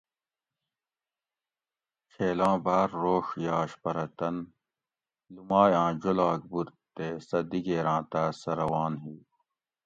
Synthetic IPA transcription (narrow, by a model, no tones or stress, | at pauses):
kʰeːlãːbaːɾːoːʂjaːɕpɐɾɐt̪ɐn | lumaːjãːd͡ʑolaːk̚buɾt̪eːsɐd̪iɡeːɾãːt̪aːsɐɾɐwaːnɦiː